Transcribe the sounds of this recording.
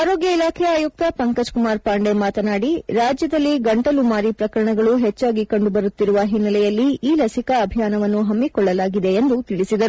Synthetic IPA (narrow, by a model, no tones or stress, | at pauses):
aːɾo̞ːɡjɐilaːkʰɛjaːjuk̚t̪ɐpɐŋkɐd͡ʒkumaːɾpaːɳɖe̞maːt̪ɐnaːɽiɾaːd͡ʒjɐd̪ɐlːiɡɐɳʈɐlumaːɾipɾɐkɐɾɐɳɐɡɐɭuɦɛt͡ʃːaːɡikɐɳɖubɐɾut̪ːiɾuʋɐɦinːɐlɛjɐlːiiːlɐsikɐːbʱijaːnɐʋɐnːuɦɐmːikɔɭːɐlaːɡid̪e̞ːnd̪ut̪iɭisid̪ɐɾu